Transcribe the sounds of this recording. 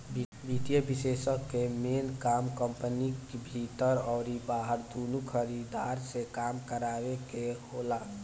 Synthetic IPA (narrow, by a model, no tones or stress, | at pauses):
bʱibʱit̪ijəbisesəkːemenkamkəmpənikbʱit̪əɾɔːɾibaɦəɾd̪onukʰəɾid̪aɾsekamkəɾabekehola